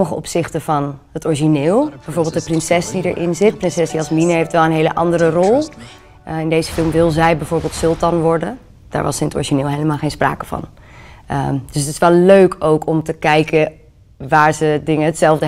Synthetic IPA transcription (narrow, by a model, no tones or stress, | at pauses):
məχəɔ̰psɪχtəvɑnɦətɔɹʒinɪːlˠbɛjvoːɹbeɪlˠdəprɪnsɛsdidə̰ɹʔɪ̰nzɪt̚prɪnsɛsdiɑsminəɦeftʋɛlˠənɦejləʔɑ̰ndəɾərɔlˠ | ɪndejzəfɪlˠmʋɪlˠzɛjbɛjvoːɹbeːlˠtsʏlˠtɑnʋɔɹdən | d̥a̰ːɹʋɑsɪnətɔ̰ɹʒinɪːlˠɦejləmaːlˠχejnspra̰ːkəv̥ɑ̰n | əd̥ɵsətɪ̥sʋɛlˠløɥkʰowkʰɔmtəkɛjkə | ʋaːɹzədɪŋəɦətsɛlˠvdə